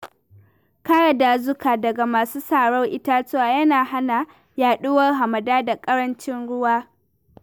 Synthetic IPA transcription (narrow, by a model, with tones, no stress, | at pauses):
ka˦ɽa˨daː˨zʊ˦kaː˨dɐ˨ɡa˨maː˨suː˦saː˨ɽɔ˦ŋʔɪ˦ta˦t͡ʃeː˦waː˨jɐ˦naː˨ɦa˦na˨ | jaː˨ɗʊ˦wɐ˦rɦa˨mɐ˨daː˦da˨kʼɐ˦ɽɐ˦nt͡ʃɪ˦nɽʊ˦waː˦